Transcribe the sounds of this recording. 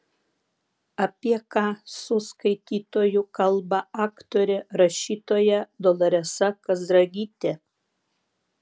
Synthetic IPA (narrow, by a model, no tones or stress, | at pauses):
ɐpʲiɛkɑːsʊskɐɪt̪ʲiːt̪oːjukɐlˠbɐɑːkt̪oːɾʲɛɾɐʃʲiːt̪oːjɛd̪ɔlˠɐɾʲɛsɐkɐzd̪ɾɐɡʲiːt̪ʲɛ